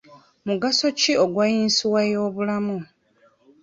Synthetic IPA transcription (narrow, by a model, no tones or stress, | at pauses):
muɡaso̞cio̞ɡwajiːnsiwajo̞ːβulamu